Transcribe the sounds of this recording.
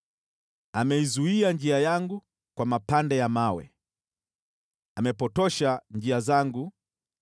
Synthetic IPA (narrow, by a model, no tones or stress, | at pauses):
amɛizuiand͡ʒiajaŋɡu | kwamapandɛjamawɛ̰ | amɛpɔtɔʃand͡ʒiazaŋɡu